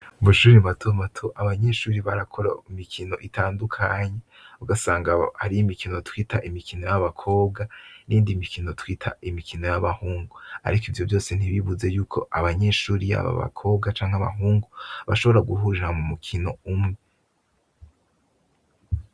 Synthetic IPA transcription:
βuʃuːɾimatʰomatʰoʔaβaɲe̞ʃuːɾiβaɾakʰo̞ɾa̰imikʰino̞ʔitʰaːndukʰaɲe | uɡasaːŋɡahaɾijimikʰino̞twitʰaʔimikʰino̞jaβakʰo̞ːb̚ɡaniːndimikʰino̞twiːtʰa̰imikʰino̞jaβahuːŋɡua̰ɾikivjo̞vjo̞ːse̞n̥iβiβuze̞juːkʰo̞̰ʔaβaɲe̞ʃuːɾija̰βa̰βa̰kʰo̞ːb̚ɡat͡ʃaːŋ̥haβa̰ɦuːŋɡuβaʃo̞βo̞ɾaɡuɦuʒaamumukʰino̞umŋe

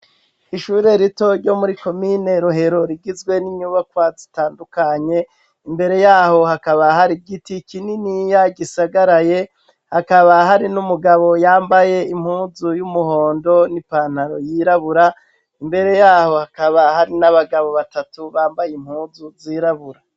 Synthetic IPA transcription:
iʃuːɾe̞ɾito̞ɾɟo̞muɾiko̞mine̞ɾuɦe̞ɾo̞ɾiɡizɡwe̞niɲuːβakwazitaːndukaɲe̞ | imbe̞ɾe̞jaːho̞hakaβaɦaɾiɡitikininijaɡisaɡaɾaje̞ | hakaβaɦaɾinumuɡaβo̞jaːmbaje̞im̥huːzujumuho̞ːndo̞nipaːn̥haɾo̞jiɾaβuɾa | imbe̞ɾe̞jaːho̞hakaβahaɾinaβaɡaβo̞βatatuβaːmbajim̥huːzuziːɾaβuɾa

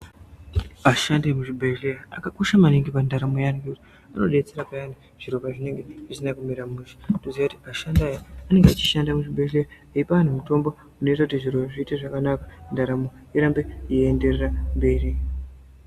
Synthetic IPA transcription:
aʃandaemuʐibʱeleraa̰kakoʃamaniŋɡepandaɾamojeaneŋɡekuti | ano̞̰ɗe̞t͡seɾapajani | ʐ̥iɾopaʐine̞ŋɡe̞ʐisinakumiɾamuʃi̥ndoziʋakutiaʃandajaane̞ŋɡeat͡ʃi̥ʃandamuʐibʱelera | eipaan̤umuto̞mbo | une̞itakutiʐiroaʐiːteʐakanakḁndaɾamo | iɾambeiende̞rerambe̞ːri

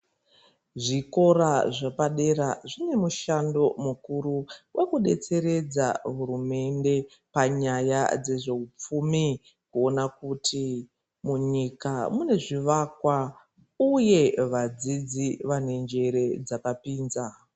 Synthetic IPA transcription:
ʐiko̞ɾaʐapaɗe̞ɾaʐine̞muʃando̞mukuɾuwʔekuɗe̞t͡se̞ɾe̞d͡za̰ɦuɾume̞nde̞ | paɲajad͡ze̞ʐe̞up͡fumi | kuo̞nakuti | muɲikamune̞ʐiʋakwa | uje̞ʋad͡zid͡ziʋane̞nd͡ʒe̞ɾe̞d͡zakapiːnza

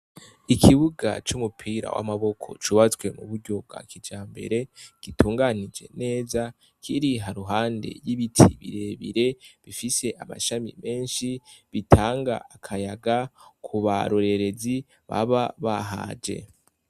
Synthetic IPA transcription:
ikʰiβuɡa̰t͡ʃumupʰiːɾa̰wa̰maβo̞kʰo̞̰t͡ʃuːβat͡swe̞mṵβuɾɟo̞b̚ɡa̰kid͡ʒaːmbe̞̰ɾe̞ɡ̥ituːŋɡanid͡ʒe̞̰ne̞ːza | kʰiɾiɦaɾuɦaːnde̞̰jiβitʰiβḭɾe̞βiɾe̞βifise̞ʔama̰ʃamḭme̞ːnʃiβitʰaːŋɡa̰akʰajaɡakʰuβa̰ɾoɾe̞ɾe̞zi | βa̰βaβaɦa̰ːd͡ʒe̞̰

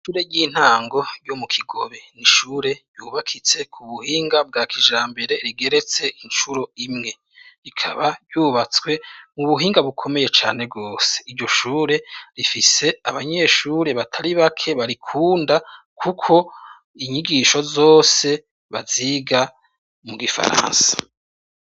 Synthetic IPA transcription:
ʃuːɾe̞ɾɟiːn̥haːŋɡo̞ɾɟomukʰiɡo̞βe̞niʃuːɾe̞̥ɟjuːβakʰit͡se̞kʰuβuhiːŋɡab̚ɡaːkʰiʒaːmbe̞ɾe̞ɾiɡe̞ɾe̞t͡se̞int͡ʃuɾo̞imŋe̞ | ɾikʰa̰βaɟuːβat͡swe̞muβuɦiːŋɡaβukʰo̞me̞je̞t͡ʃa̰ːne̞bɡo̞ːse̥iɾɟo̞ʃuːɾe̞ɾifise̞aβaɲe̞ʃuːɾe̞βatʰaɾiβakʰe̞βaɾikʰuːnda | kʰukʰo̞ | iɲiɡiʃo̞zo̞ːse̞ | βaziɡa | muɡifa̰ɾa̰ːnsḁ

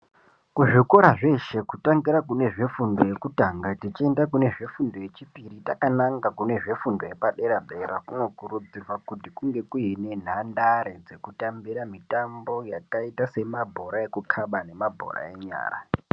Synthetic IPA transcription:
kuʐiko̞ɾaʐe̞ʃe̞kutaŋɡiɾakune̞ʐe̞fundo̞je̞kutaŋɡatit͡ʃie̞ndakune̞ʐe̞fundo̞je̞t͡ʃipiɾitakanaŋɡakune̞ʐe̞fundo̞je̞paɗe̞ɾabʱe̞ɾakunwokuɾud͡zirwakutikuŋɡe̞kuine̞n̤andaɾed͡ze̞kutambiɾamitambo̞jakaitase̞mabʱo̞ɾaje̞kukʰaɓane̞mabʱo̞̰ɾa̰e̞ɲa̰ːra̰

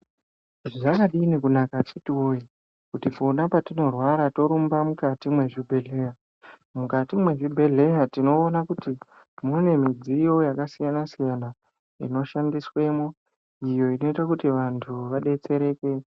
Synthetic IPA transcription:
ʐiʐakaɗiːnikunakat͡ʃitiwoji | kutifonapatino̞rwaɾato̞ɾumbamukatimwe̞ʐibʱe̞ɮe̞ja | mukatimwe̞ʐibʱe̞ɮe̞jatino̞ːnakuti | mune̞mid͡zijo̞jakasijanasijana | ḭno̞ʃandiswe̞mo | ijo̞ino̞itakutiʋantʰuʋaɗe̞t͡se̞ɾe̞ːke̞

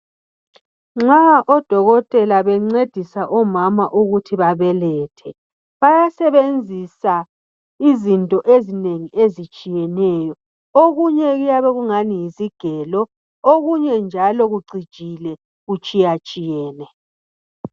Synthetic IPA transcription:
ŋ͡ǁaʔɔd̥ʱɔɣɔtʼɛlaβɛŋ͡ǀed̥ʱisaʔɔmamaʔuɣutʰiβaβɛlɛtʰɛ | βajasɛβend͡zʱisa | izintʼɔʔezineŋiʔezit͡ʃʼijɛnɛːjɔ | oɣuɲɛɣujaβɛɣuŋanijiziɡ̥ʱɛlɔ | oɣuɲɛnd͡ʒʱalɔɣuɡ͡ǀʱid̥ʒ̥ʱilɛ | ɣut͡ʃʼijat͡ʃʼijɛːnɛ

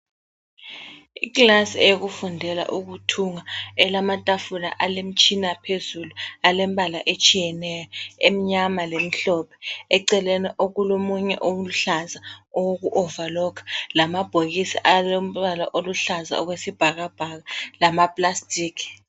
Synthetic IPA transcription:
ikʼlasiɛjok̬ufundʱɛla̰ʔuk̬utʰuŋaɛlamatʼafula̰ʔalem̩t͡ʃʰʼinapʰezulualɛmɓalaʔet͡ʃʼijɛnɛjɔem̩ɲamalem̩ɬɔpʰɛ̥ɛǀɛlɛnɛʔoɣulomuɲɛ̰ʔowuluɬazaɔwok̬uʔɔvalɔkʰḁlamab̥ʱoɣisiʔalom̩alaʔoluɬaza̰ɔɣwesib̥ʱaɣab̥ʱaɣalamapʼlastʼiːkʰ

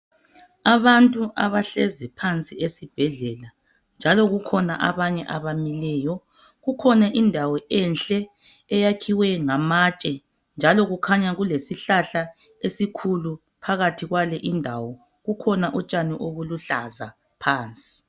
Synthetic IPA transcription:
aβantʼuʔaβaɬɛzɛpʰant͡sʼiesib̥ʱɛɮɛla | nd͡ʒʱalɔɣukʰɔna̰ʔaβaɲɛʔaβamilɛːjɔ | ɣukʰɔnaʔindʱawɔʔɛnt͡ɬʼɛː | jakʰiwɛŋamat͡ʃʼɛ | nd͡ʒʱalɔɣukʰaɲaɣulesiɬaɬa | esikʰulu | pʰaɣatʰiɣwalɛʔindʱawɔ | ɣukʰɔnaʔɔt͡ʃʼaniʔoβuluɬa̰za̰ | pʰaːnt͡sʼi̥

